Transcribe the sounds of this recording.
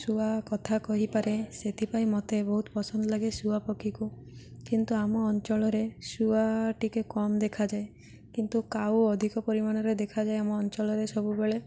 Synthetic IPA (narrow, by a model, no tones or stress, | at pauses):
suakɔt̪ʰakɔɦipaɾeset̪ʰipaĩmɔt̪ebɔɦut̪ɔ̥pɔsɔnd̪ɔlaɡesuapɔkʰiku | kint̪uamɔːnt͡ʃɔɭɔɾesuaʈikekɔmd̪ekʰad͡ʒae | kint̪ukawɔd̪ʱikɔpɔɾimañɔɾed̪ekʰad͡ʒaeamɔːnt͡ʃɔlɔɾesɔbubeɭe